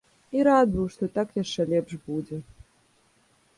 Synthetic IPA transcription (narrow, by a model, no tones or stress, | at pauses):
iɾad̪vɐwʂt̪ɔt̪akjaʂt͡ʂɛlʲɛpʂbud͡zʲɛ